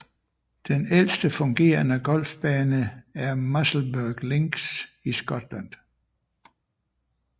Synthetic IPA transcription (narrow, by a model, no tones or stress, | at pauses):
d̥enel̰sd̥əfɔ̽ŋɡ̥e̝̰ːɐnəɡ̥ɒ̽l̰fb̥ɛːnəæɐmɑsl̩bøɡ̥leŋɡ̥sisɡ̥ɒd̥lænd̥